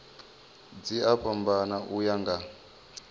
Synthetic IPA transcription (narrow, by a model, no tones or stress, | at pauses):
d͡ziapʰambanaʔujaŋɡa